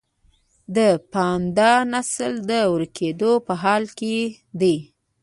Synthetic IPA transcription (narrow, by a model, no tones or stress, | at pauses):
d̪əpɑnd̪ɑnasəld̪əwəɾkʰed̪opəɦɑlke | d̪e